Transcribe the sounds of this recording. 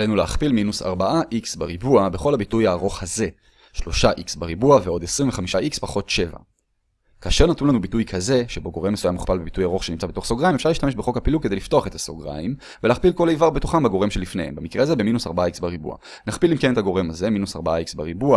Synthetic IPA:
lenuleaχpilminusa̰ʁbaʔaʔiksbaʁibuabe̞χo̞lhabitujaːʁo̞χhaze̞ | ʃlo̞ʃaʔiksbaʁibuaveo̞d̪esʁiɱveχamiʃaʔikspaχo̞tʃeva̰ | kaːʃe̞ʁnat̪unlanubitujkʰaze̞ʃebo̞ɡo̞ʁe̞mːesujamːuχpalbebitujaʁo̞χʃenimt͡sabeto̞χsoɡʁaimefʃaʁiʃt̪ame̞ʃbeχo̞khapiluked̪ejlifto̞aχe̞t̪asoɡʁa̰im | veleaχpilko̞laivaʁbetuχambeɡo̞ʁe̞mʃelifne̞̰ḛmbemikʁehazebe̞minusaʁbaaiksbaʁibṵa̰ | naχpilimkenetaɡo̞ʁe̞maze̞minusaʁbaaiksbaʁibua

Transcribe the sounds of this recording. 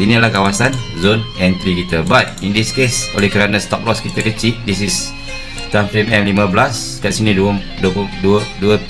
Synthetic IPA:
inilahkawasanzonɛ̃nt̪ɾikit̪əbat̪̚ĩndiskesolɛhkəɾanãst̪ɔp̚lɔskit̪əkət͡ʃiʔ̚disis | t̪amfɾimɛ̃mlimãblas | kaʔsinĩduəm | duəpduəduə

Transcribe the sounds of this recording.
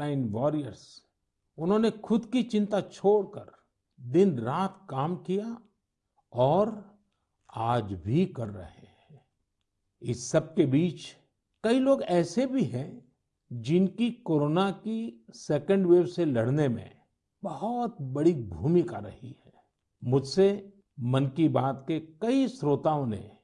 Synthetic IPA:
aːɪnʋɔːɾijəɾs | ʊnɦõːnexʊd̪kit͡ʃɪ̃nt̪at͡ʃʰoːɽkə̰ɾ | d̪ɪnɾaːt̪ʰkaːmkija | ɔːɾ | aːd͡ʒbʱikɐɾːɐ̰heɦɛ̃ | ɪsːɐb̚kebiːt͡ʃ | kɐiloːɡɛːsebʱiɦɛ̃ | d͡ʒɪnkikoːɾoːnakiseːkə̃ɳɖʋeːwselɐɽnemḛ̃ | bɐɦɔt̪bɐɽibʱuːmikaɾɐ̰hiɦɛː | mʊd͡ʒʱse | mɐnkibaːt̪kekɐisɾoːt̪aːõnḛ

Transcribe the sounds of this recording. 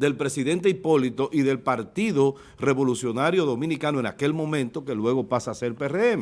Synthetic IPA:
d̪e̞lpɾe̞siðe̞nt̪eipo̞lit̪o̞ʔiðe̞lpaɾt̪iðo̞ | re̞βo̞lusjo̞naɾjo̞ðo̞mĩnikanoeŋa̰ke̞lmõ̞mẽ̞nt̪o̞ke̞lwe̞ɣo̞pasase̞ɾpereeme

